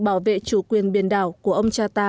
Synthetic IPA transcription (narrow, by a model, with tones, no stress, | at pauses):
ɓaː˧˩wvḛ˧˨t͡ɕu˧˦kwi˨˩ənɓi˨˧˩ənɗaː˧˩wkku˧˩əʔə˧wŋ͡mt͡ɕaː˧t̪aː˧